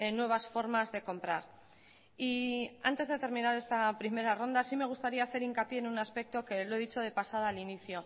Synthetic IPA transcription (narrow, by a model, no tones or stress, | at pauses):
nwe̞βasfo̞ɾmazðe̞ko̞mpɾa̰ɾ | ia̰nt̪e̞zðe̞t̪e̞ɾmĩnaɾe̞st̪apɾime̞ɾaro̞nd̪asime̞ɣ̞ust̪aɾiaːθe̞ɾiŋkapje̞ːnunaspe̞k̚t̪o̞ke̞loe̞ðit͡ʃo̞ð̞e̞pasaðoaliniθjo̞